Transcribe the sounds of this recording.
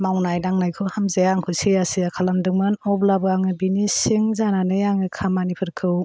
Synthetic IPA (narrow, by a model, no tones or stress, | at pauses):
mawnajdaŋnajkʰɯwhamzajaŋkʰɯsejasiakʰalamdɯŋmɯnɔblabɯaŋɯbinisiŋzananɯjaŋɯkʰamanipʰɯɾkʰɯw